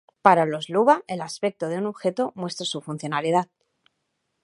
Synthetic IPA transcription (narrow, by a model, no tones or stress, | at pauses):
paɾalo̞zluβae̞laspe̞k̚t̪oðeunoβxe̞t̪o̞mwe̞st̪ɾasufunθjo̞naliðað